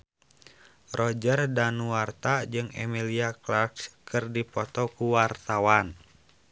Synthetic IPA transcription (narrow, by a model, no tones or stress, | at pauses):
rɔd͡ʒərdanuwart̪ad͡ʒɨŋɛ̰miliaklarkskɨrdipɔt̪ɔkuwart̪awan